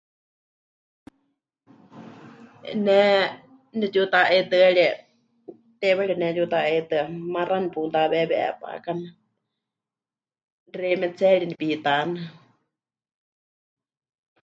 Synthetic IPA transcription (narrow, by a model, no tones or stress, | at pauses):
nɛ | nɛt͡ʃut̪aʔet̪ɨaɺiɛ | t̪ɛβɛɺiɛnɛjut̪aet̪ɨamaranipunt̪aβɛβɛʔɛ̰pa̰kana | rɛmɛt͡sɛɺinipit̪anɨ